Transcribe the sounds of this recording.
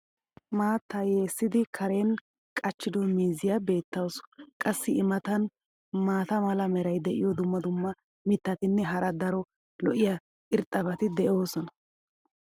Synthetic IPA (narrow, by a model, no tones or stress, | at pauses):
maːt̪ːɐjeːsːɪd̪ɪkʰɐɾeːn | kʼɐt͡ʃːɪd̪ɔmiːzɪjɐbe̞ːt̪ːɐwsɔ̥kʼɐsːɪɪmɐt̪ɐn | maːt̪ɐmɐlɐmɛɾɐjd̪ɛʔɪ̰jɔd̪ʊmːɐd̪ʊmːɐ | mɪt̪ːɐt̪ɪnːɛɦɐɾɐd̪ɐɾɔ | lɔʔɪjɐ | ʔɪɾt̪ʼɐbɐt̪ɪd̪ɛʔo̞ːsɔnɐ